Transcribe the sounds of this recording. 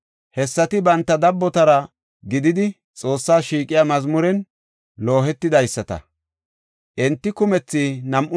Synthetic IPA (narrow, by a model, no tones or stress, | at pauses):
hɛsːɐt̪ɪbɐnt̪ːɐd̪ɐbːɔt̪ɐɾɐ | ɡɪd̪ɪd̪ɪ | t͡sʼo̞ːsːaːʃiːkʼɪjaːmɐzmʊɾɛn | lo̞ːɦɛt̪ːɪd̪ɐjsːɐt̪ɐ̰ | ʔɛnt̪ːɪkʊmɛt͡sːinɐmʔʊ